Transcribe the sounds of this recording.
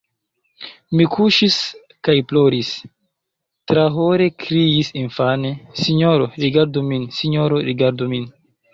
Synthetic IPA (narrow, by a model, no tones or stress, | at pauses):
mikʰuʃis | kajplo̞ɾis | tɾaɦo̞ɾe̞kɾiisinfane̞siɲoɾoɾiɡaɾduminsiɲo̞ɾoɾiɡaɾdumin